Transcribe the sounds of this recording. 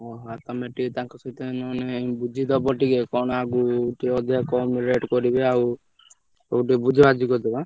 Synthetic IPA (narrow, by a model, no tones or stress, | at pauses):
ɔɦat̪ɔmeʈit̪ãŋkɔsʰɔt̪enɔnebud͡ʒʱid̪ɔbɔʈikekɔñaɡuʈiɔd̪ʱjakɔmiɾeʈkɔɾibeaw | ɔuʈibud͡ʒʱɔad͡ʒikɔd̪iba